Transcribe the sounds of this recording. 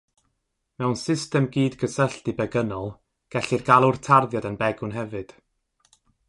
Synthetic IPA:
mɛwnsɪstɛmɡiːdɡəsəɬtibɛɡənɔlˠ | ɡ̥ɛɬɨrɡ̥alˠʊrtʰarðjadənbɛɡʊnɦɛvɨd̥

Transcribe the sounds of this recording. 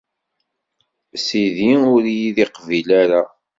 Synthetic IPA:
siðiʊɾjiðiqvilaɾa

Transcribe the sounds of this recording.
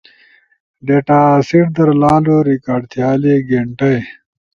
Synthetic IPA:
ɖeʈaːsiɽd̪ɐɾlaːluːɾikaːɖt̪ʰijaːliːɡeɳʈɐj

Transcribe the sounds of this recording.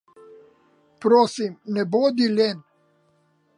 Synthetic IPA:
pɾoːsimnɛboːd̪ileːn

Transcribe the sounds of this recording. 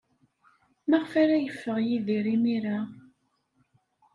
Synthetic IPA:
mæʁfaɾajəfːəʁjiðiɾimiɾa

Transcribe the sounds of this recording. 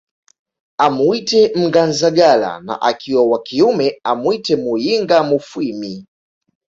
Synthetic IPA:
amuitɛm̩ɡanzaɡala̰na̰ʔakiwawakiumɛamwitɛmujiŋɡamufwimi

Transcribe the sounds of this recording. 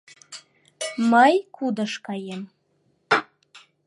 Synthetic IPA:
məjkʰud̪ɤ̆ʃkɑjem

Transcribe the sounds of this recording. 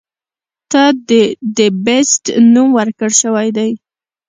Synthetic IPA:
t̪ɑd̪əbɪsʈnumwəɾkəɽʃəwajd̪aj

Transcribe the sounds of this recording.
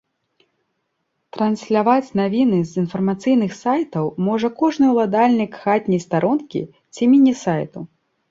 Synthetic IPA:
t̪ɾɐnsʲlʲavat͡sʲnavʲinɨzinfɐrmat̪sɨjnɨxsajt̪ɐwmɔʐɐkɔʐnɨwlˠad̪alʲnʲikxat̪ʲnʲɐjst̪aɾʔɔnkʲḭ | t͡sʲimʲinʲisajt̪u

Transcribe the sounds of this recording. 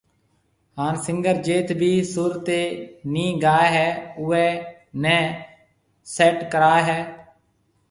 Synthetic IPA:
haːnsɪ̃ŋɡəɾd͡ʒeːt̪ʰbʱiːsʊɾt̪eːnĩːɡaːeɦɛːʊɛː | nɛ̃ː | sɛːʈkəɾaːɦɛː

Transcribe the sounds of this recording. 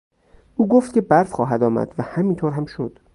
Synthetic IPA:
ʔuːɡoft̪̚cʰʲe̞bæɾfχɒːɦæd̪ɒːmæ̰d̪̥væhæmint̪ʰoːɾɦæmʃod̪̥

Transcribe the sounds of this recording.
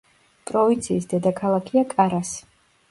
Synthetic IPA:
pʼɾɔvint̪sʰiːsd̪ɛd̪akʰalˠakʰiakʼaɾas

